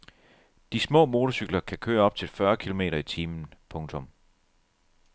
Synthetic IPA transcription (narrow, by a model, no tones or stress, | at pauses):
d̥ismɔ̰̽ːmo̝ːt͡sʰosyɡ̥lɐkʰækʰøːɐɒ̽b̥̚t͡sʰe̝lfɶɐkʰilo̝me̝̰ːɾɐit͡sʰiːmn̩pʰɔ̽ŋt͡sʰɔ̽m